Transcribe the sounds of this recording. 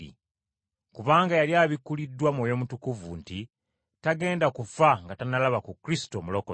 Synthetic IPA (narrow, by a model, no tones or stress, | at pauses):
ḭ | kuβaːŋɡajaljaːβikːulidːwamwoːjo̞mutukuvṵnti | taɡe̞ːndakufaŋɡatanalaβakukɾisi̥to̞ːmuloko